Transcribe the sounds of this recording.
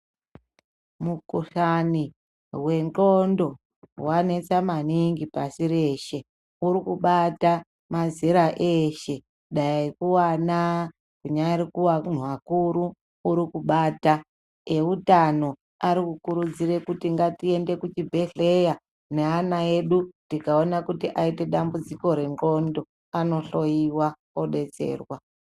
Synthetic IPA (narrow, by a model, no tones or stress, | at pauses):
mukuɬani | we̞nt͡ɬondo̞ | wane̞t͡samaniŋɡipasiɾe̞ːʃe̞ | uɾikuɓata | maziɾaʔeʃe̞ | ɗaiikuwana | kuɲaiɾikuwan̤wakuɾuː | ɾikuɓaːta | e̞utano̞ | aɾikukuɾud͡zire̞kutiŋɡatie̞nde̞kut͡ʃibʱe̞ɬe̞ja | ne̞anaeɗutikao̞nakutiʔaite̞ɗambud͡ziko̞ɾe̞ŋɡo̞ndo̞ | ano̞ɬo̞jiwa | oɗe̞t͡se̞̰ːrwa